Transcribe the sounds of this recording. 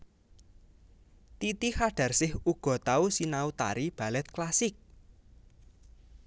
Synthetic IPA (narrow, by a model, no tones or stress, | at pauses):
t̪it̪ihaɖ̥ä̤rsɪhuɡ̥ɔ̤t̪ausinaut̪a̰ɾib̥ä̤lɛt̪̚klasɪk̚